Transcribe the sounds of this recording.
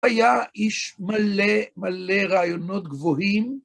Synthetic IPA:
ajaʔiʃmalemaleʁaːjonot̪ɡvoɦim

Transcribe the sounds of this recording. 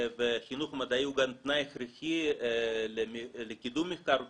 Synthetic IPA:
veχinuχmad̪aiuɡant̪najχɾixi | lemlekid̪umːixkaɾ

